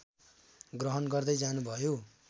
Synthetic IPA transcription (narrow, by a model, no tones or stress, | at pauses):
ɡrʌɦʌnɡʌrd̪ʌjd͡zanubʱʌjo